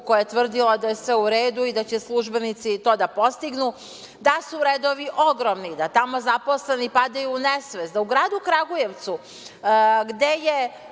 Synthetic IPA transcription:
kojajet̪ʋr̩d̪ilad̪ajesʋeuɾeːd̪uid̪at͡ɕeslˠuʒbe̞nit̪sit̪o̞ːd̪apo̞st̪iɡnu | d̪asuɾeːd̪oʋiʔo̞ɡɾomnid̪at̪amo̞zapo̞slˠe̞nipad̪ajunesʋezd̪auɡɾaːd̪ukɾaɡuje̞ʋt̪su | ɡd̪e̞je

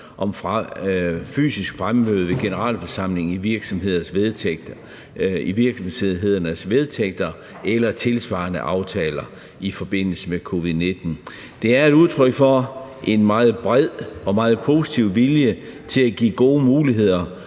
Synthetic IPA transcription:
ʔɒ̽mf | fy̰ːsisɡ̥fʁamːøːð̩ˠʋe̝ɡ̥e̝nəʁɑ̰̈ːlfɒsɑ̈m̰le̝ŋiʋiɐɡ̥sɒ̽mɦe̝ð̞̰ˠɐsʋeð̥ˠ | iʋiɐɡ̥sɒmse̝ðˠɦe̝ð̞̰ˠɐnəsʋeð̞ˠt͡sʰeɡ̥̚d̥ɐ | elɐt͡sʰe̝lsʋɑ̰̈ːnəʔɑ̈ʊt͡sʰɛ̰ːlɐ | ifɒ̽b̥e̝n̰l̩səmekʰo̝ʋiðˠne̝d̥n̩ | d̥e̝æɐe̝d̥uð̞ˠt͡sʰʁœɡ̥fɒʔe̝nmɑ̈ːð̩ˠb̥ʁɛð̰ˠɒ̽mɑ̈ːð̞̩ˠpʰo̝ːsi̥t͡sʰiʊ̰ʋiljə | t͡sʰe̝læɡ̥ḭːɡ̥o̝ːəmuːliɦe̝ð̞̰ˠɐ

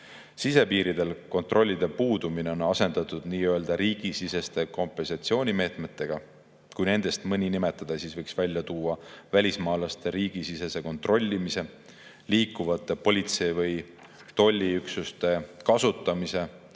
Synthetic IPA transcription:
sise̞piːɾid̪e̞lko̞nt̪ˑrʔo̞lʲːid̪̥e̞puːd̪̥umine̞o̞nɑse̞nd̪̥ɑt̪ˑud̪̥niːøe̞ld̪ɑɾiːɡ̥isise̞st̪e̞ko̞mpːˑe̞nsɑt̪sio̞ːnʲime̞ːt̪me̞t̪ːe̞ɡ̥ɑ | kujne̞nd̪̥e̞st̪mɤnʲinime̞t̪ːˑɑd̪̥ɑsiːsvɤjksvælʲːjɑt̪uːɑvælʲismɑːlɑst̪e̞ɾiːɡ̥isise̞se̞ko̞nt̪ro̞lʲːimise̞ | liːkːˑuvɑt̪ˑːe̞po̞lʲit̪se̞vɯj | t̪o̞lʲːiyksust̪e̞kɑsut̪ːˑɑmise̞

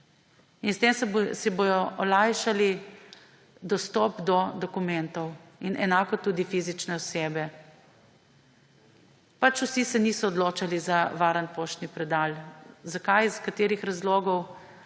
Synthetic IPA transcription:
inst̪eːmsɛboːjɔʔɔlajʃali | d̪ɔst̪ɔːpd̪ɔd̪ɔkumɛnt̪ɔwinʔɛnaːkɔt̪uːd̪ifizit͡ʃnɛɔseːbɛ | pat͡ʃusisɛnisɔːd̪loːt͡ʃalizaʋaːɾənpoʃt̪nipɾɛd̪aːlzakajskat̪eːɾixɾazlɔːɡɔw

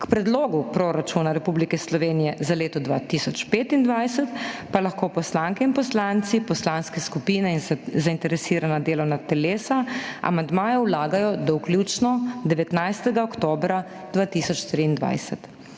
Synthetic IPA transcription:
kpɾɛd̪loːɡupɾoɾat͡ʃunaɾɛpuːblikɛslɔʋeːnijɛzaleːt̪ɔd̪ʋaːt̪isɔt͡ʃpeːt̪ind̪ʋajsɛt̪palaxkoːpɔslaŋkɛinpɔslant̪sipɔslanskɛskupiːnɛinzaint̪ɛɾɛsiːɾanad̪eːlɔwnat̪ɛleːsaa̰mand̪maːjɛwlaːɡajɔd̪awklʲjut͡ʃnɔd̪ɛʋɛt̪najst̪ɛɡaɔkt̪oːbɾa | d̪ʋaːt̪isɔt͡ʃt̪ɾiːnd̪ʋa̰jsɛt̪

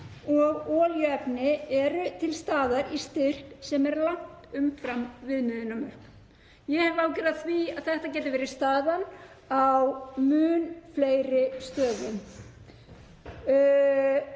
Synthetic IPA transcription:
ɔɣɔːljʏɛpnɪɛɾʏt̪ʰɪlst̪aːðaɾist̪ɪr̥k̪sɛmɛɾlaŋ̥t̪ʏmfɾamvɪðnʏðɪnːamœɾ̥kn | jɛhɛvaːwcɛɾaðθviaðθɛht̪acɛːt̪ɪvɛːɾɪst̪aːðan | awmʏːnflejɾɪst̪œːðʏn

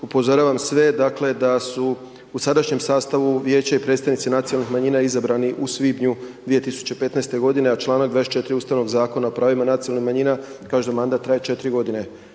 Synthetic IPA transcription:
upo̞zoɾaːʋamsʋe̞d̪akle̞d̪asu | usad̪aʃɲe̞msaːst̪aʋuʋje̞ːt͡ɕaipɾet̪st̪aʋnit̪sinat̪sioalnixmaɲiːnaizabɾaniʔusʋibɲud̪ʋije̞t̪isu̥t͡ɕe̞pe̞t̪nɛest̪e̞ɡo̞d̪ine̞at͡ʃlˠaːnaɡd̪vaest̪t͡ʃe̞t̪ɾiuːst̪aʋno̞ɡzaːko̞naopɾaːʋimanat̪sijoalnixmaɲiːnakaːʒed̪amand̪at̪ːɾajet͡ʃe̞t̪ɾiɡo̞d̪ine̞

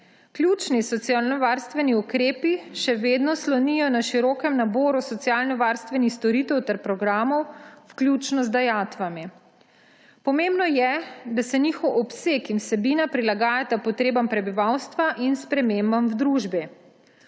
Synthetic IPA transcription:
klʲjut͡ʃnisɔt̪sijaːlnɔʋaɾst̪ʋɛniukɾeːpiʃɛʋeːd̪nɔslɔnijɔnaʃiɾɔːkɛmnaboːɾusɔt̪sijaːlnɔʋaːɾst̪ʋɛnixst̪ɔɾit̪ɛwt̪ɛɾpɾɔɡɾaːmɔwwklʲjuːt͡ʃnɔzd̪ajaːt̪ʋami | pɔmeːmbnɔjɛd̪asɛnixɔwʔɔpseːkinwsɛbiːnapɾilaɡaːjat̪apɔt̪ɾeːbampɾɛbiʋawst̪ʋaʔinspɾɛmeːmbamwd̪ɾuːʒbɛ

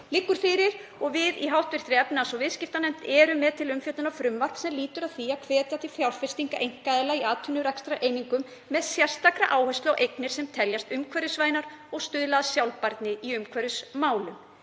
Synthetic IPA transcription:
lɪkːʏɾ̥fɪɾɪɾɔɣvɪðiɦawht̪vɪr̥t̪ɾɛpnasɔɣvɪðscɪft̪anɛm̥t̪ɛːɾʏmːɛðt̪ʰɪlʏmfjœht̪ʏnafɾʏmval̥t̪sɛmliːt̪ʏɾaðθiakʰvɛːt̪jaθɪfjawr̥fɛst̪iŋkaʔejŋ̥kaðɛlaiaːt̪ʰʏnːʏɾakst̪ɾaʔejniŋkʏmːɛðsjɛr̥st̪akɾaʔaːwhœst̪lawʔejknɪɾ̥sɛmt̪ʰɛljast̪ʏmkʰvɛɾʏsvaːjnaɾɔɣst̪ʏðlaðasjawlpaɾt̪nɪiʏmkʰvɛɾðʏsmaːwlʏm

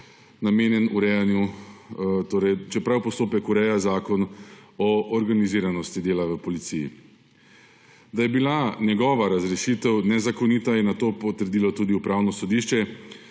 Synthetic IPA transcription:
nameːnjɛnuɾɛjanju | t̪oːɾɛjt͡ʃɛpɾawpɔst̪oːpɛkuɾɛjazaːkɔnɔːɾɡaniziːɾanɔst̪id̪eːlaʋəpɔlit̪sijḭ | d̪ajɛbilanjɛɡɔːʋaɾazɾɛʃit̪ɛwnɛzakɔnit̪ajɛnat̪oːpɔt̪əɾd̪iːlɔt̪uːd̪iupɾaːwnɔsɔd̪iːʃt͡ʃɛ

